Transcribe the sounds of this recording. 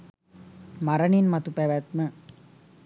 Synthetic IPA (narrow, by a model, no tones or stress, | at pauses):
mɐɾɐɳinmɐt̪upæʋæt̪mə